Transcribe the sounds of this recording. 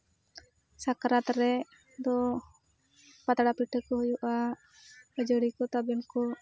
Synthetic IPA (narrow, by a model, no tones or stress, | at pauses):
sakɾat̪ɾɛʔ | d̪ɔ | pat̪aɽapiʈəkɔɦujuʔa | əd͡ʒəɽikɔt̪abɛnkɔ